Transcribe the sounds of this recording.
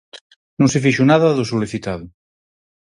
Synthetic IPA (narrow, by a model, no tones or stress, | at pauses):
nũŋsefiʃunaðaðosoliθit̪aðo